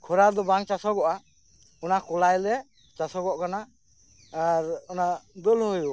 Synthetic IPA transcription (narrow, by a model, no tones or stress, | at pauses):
kʰɔɾad̪ɔbaŋt͡ʃasɔɡɔʔa | ɔnakɔlajlɛ | t͡ʃasɔɡɔʔkanaː | ɾɔnad̪ɔlhɔju